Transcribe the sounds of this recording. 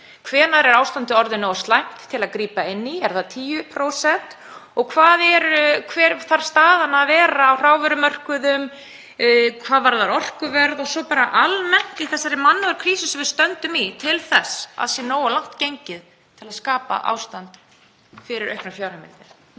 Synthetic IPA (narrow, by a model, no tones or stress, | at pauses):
kʰvɛːnaɾɛɾaːwst̪ant̪ɪɔɾðɪnoːwast̪lajm̥t̪ʰːɪlaðkɾiːpaɪnːiɛɾ̥θaðt̪ʰiːjʏpʰɾoːwsɛn̥t̪ | ɔɣkʰvaːðɛɾkʰvɛːɾθaɾ̥st̪aːðanaːvɛːɾaːwr̥aːwvɛɾʏmœr̥kʏðʏm | kʰvaːðvaɾðaɾɔr̥kʏvɛɾðɔsɔpaːɾaʔalmɛn̥t̪ɪθɛsːaɾɪmanːavaɾkʰɾiːsɪsɛvɪɾst̪œnt̪ʏmit̪ʰɪlθɛsːa̰ðsjɛnoːwalawht̪cejɲcɪð | t̪ʰɪlaðskaːpa̰ʔa̰ːwst̪ant̪ | fɪɾɪɾʔœɥhknaɾfjawɾhɪmɪ̰nt̪ɪɾ̥